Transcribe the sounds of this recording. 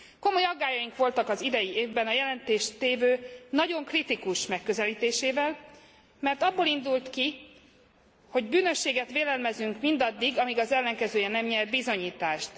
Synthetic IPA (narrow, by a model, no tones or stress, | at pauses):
ko̞mo̞jɒɡːaːjɒjiŋkʋo̞lt̪ɒkɒzid̪ɛjieːvbɛnɒjɛlɛnt̪eːʃt̪eːvøːnɒɟo̞ŋkrit̪ikuʃmɛkːø̞zɛliːt̪eːʃeːvɛl | mɛrt̪ɒbːoːlind̪ult̪ki | ho̞ɟbyːnø̞ʃːeːɡɛt̪ʋeːlɛlmɛzyŋkmind̪ɒd̪ːiɡɒmiɡɒzɛlːɛŋkɛzøːjɛnɛmɲɛrbizo̞ɲiːt̪aːʃt̪